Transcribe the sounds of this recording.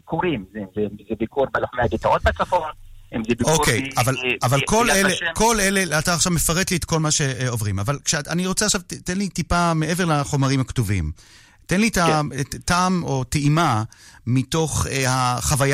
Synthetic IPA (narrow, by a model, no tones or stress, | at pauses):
kuɾimzezezebikuɾbeloχmeaɡit̪aot̪̚bat͡safonemzebiokejavalavalkoleleko̞le̞leataːχʃavme̞faʁetliet̪ko̞lmaʃe̞ovʁimavalkʃeaniʁot͡seaχʃavtenlitipameʔeve̞ʁlaχo̞maʁimhaktovḭm | tenlitataːmo̞teimamito̞χehaχavaj